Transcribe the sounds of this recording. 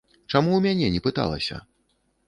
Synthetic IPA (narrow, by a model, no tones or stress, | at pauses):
t͡ʂamuwmʲanʲɛnʲɛpɨt̪a̰lˠɐ̰sʲɐ̰